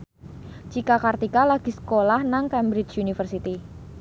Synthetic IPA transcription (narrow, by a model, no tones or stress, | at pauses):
t͡ʃikakart̪ikalaɡ̥i̤sə̥kolahnaŋkɛmbɾɪt͡ʃunifərsit̪i